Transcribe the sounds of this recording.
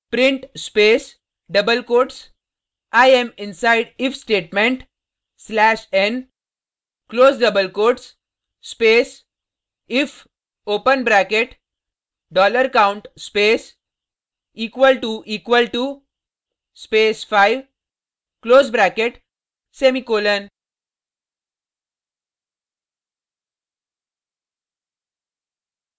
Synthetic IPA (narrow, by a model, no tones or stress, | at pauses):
pɾɪ̃ɳʈspeːs | ɖʌbəlkoːɾʈs | aɪẽmɪ̃nsaɪɖɪfsʈeːʈmẽɳʈ | slæːʃẽn | kloːzɖɐbəlkoːɾʈs | speːs | ɪf | oːpə̃nbɾækeʈ | ɖɔːləɾkãʊ̃ɳʈspeːs | iːkʋəlʈuʔiːkʋəlʈu | speːsfaɪʋ | kloːzbɾækeʈ | semikoːlən